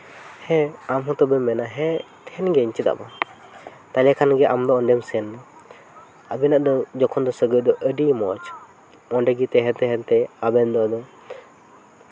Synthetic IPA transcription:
hɛ̃amɦɔ̃t̪ɔbɛmɛnaɦɛ̃t̪ʰɛnɡɛiɲt͡ʃɛt̪a̰ʔba | t̪alakʰanɡɛʔamd̪ɔɔnd̪ɛmsɛnd̪ɔ | abɛnaʔd̪ɔd͡ʒɔkʰɔnd̪ɔsəɡəd̪ɔʔəɖimɔt͡ʃ | ɔnɖɛɡit̪ɛɦɛt̪ɛɦɛnt̪ɛabɛnd̪ɔd̪ɔ

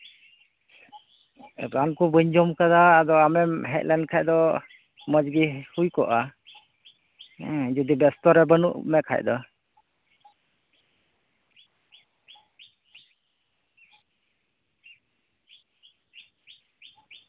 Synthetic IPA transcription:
ɾankubəɲd͡ʒɔmkad̪aːd̪ɔamɛmɦɛt̪̚lɛnkʰajd̪ɔ | məd͡ʒɡihujkɔʔa | d͡ʒud̪ibɛst̪ɔɾɛbənuʔmɛkʰa̰jd̪ɔ

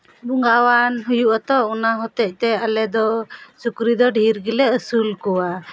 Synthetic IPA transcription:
buŋɡawanɦujuʔat̪ɔɔnaɦɔt̪ɛc̚ˀt̪ɛalɛd̪ɔsukɾid̪ɔɖʱiɾɡilɛəsulkɔwa

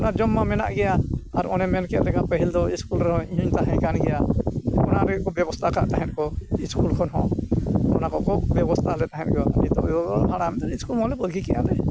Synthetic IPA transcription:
ɔnad͡ʒɔmːamɛna̰ʔɡɛjaaɾɔnɛmɛnkɛʔlɛkapəɦild̪ɔiskulɾɛɦɔ̃iɲuɲt̪aɦɛ̃kanɡɛjaɔnaɾɛkɔbjɛbɔst̪ʰakaʔt̪aɦɛ̃t̪̚kɔiskulkʰɔnɦɔ̃ | ɔnakɔkɔbjɛbɔst̪ʰalɛt̪aɦɛ̃t̪̚kɔabit̪ɔ̰ʔjɔdɔɦaɽ̃amɛt̪aniskulɔ̃lɛbəlɡikɛʔa̰lɛ

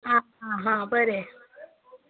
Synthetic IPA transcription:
a | aɦãbəɾe

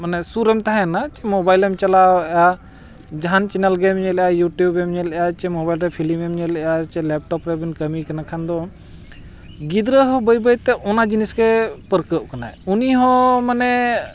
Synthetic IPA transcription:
manɛsuɾɛmt̪aɦɛnat͡ʃɛmɔbajlɛmt͡ʃɐlaja | d͡ʒaɦant͡ʃɛnəlɡemɲɛljajuʈjubɛmɲɛlɛjat͡ʃɛmɔbajlɾɛpʰilimɛmɲɛlɛjat͡ʃɛlɛp̚ʈɔpɾɛbinkəmikənakʰand̪ɔ | ɡid̪ɾəɦɔ̃bəjbəjt̪ɛʔɔnad͡ʒiniskepəɾkəʔ̚kana̰ɛuniɦɔ̃manɛ

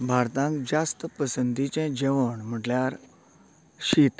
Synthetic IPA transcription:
bʱaɾt̪ãŋkd͡zast̪əpəsənd̪ʱit͡ɕɛ̃d͡ʑeʋəɳm̤əʈljaɾ | ɕit̪

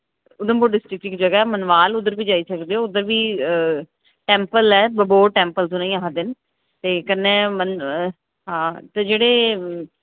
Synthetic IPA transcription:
ʊd̪ənboːɖɪsʈɾɪk̚ʈɪkd͡ʒəɡaɛːmənʋaːlʊd̪əɾbiːd͡ʒaːiːsəkd̪eːoːʊd̪əɾʋiː | ʈɛ̃ːmpəlɛːbəboːʈɛ̃ːmpəlt̪ʊ̃nẽĩːaːɦd̪ɪn | t̪eːkənẽːmən | ɦãːt̪ed͡ʒeːɽeː

